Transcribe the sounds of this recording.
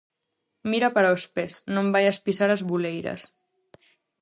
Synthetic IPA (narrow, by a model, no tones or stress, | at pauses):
miɾapəɾaospesnõmbajəspisaɾəzβulejɾə̰s